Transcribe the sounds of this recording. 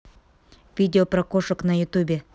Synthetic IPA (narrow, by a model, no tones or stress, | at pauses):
vʲidʲeoprakoʃəknajʊt̪ubʲe